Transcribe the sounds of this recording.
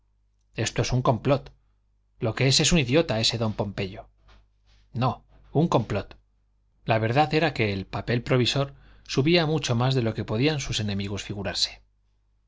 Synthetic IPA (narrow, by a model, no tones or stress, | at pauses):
e̞st̪oe̞suŋko̞mplo̞t̪ | lo̞ke̞e̞se̞suniðjo̞t̪ae̞se̞ðo̞mpo̞mpe̞ʎo̞ | no̞ | uŋko̞mplo̞t̪ | laβ̞e̞ɾðaðe̞ɾake̞ːlpape̞lpɾo̞β̞iso̞ɾ | suβiamut͡ʃo̞mazðe̞lo̞ke̞po̞ðiansuse̞nẽ̞miɣ̞usfiɣuɾaɾse̥